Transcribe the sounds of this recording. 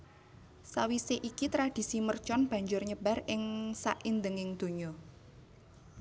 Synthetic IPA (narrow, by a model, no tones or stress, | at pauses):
sawiseʔikit̪ɾad̥i̤simərt͡ʃɔnb̥ä̤ɲd͡ʒʊrɲəb̥a̤rɪŋsa̰ʔind̪əŋɪŋd̪̥o̤ɲɔ